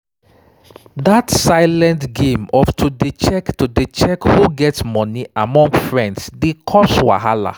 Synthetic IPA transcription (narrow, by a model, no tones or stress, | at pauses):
datsaɪlɛ̃ntɡẽmɔftʰudət͡ʃɛktudət͡ʃɛkhuɡɛtsmɔniamɔ̃ŋɡfɹɛ̃ndsdikʰɔswa̰ɦala̰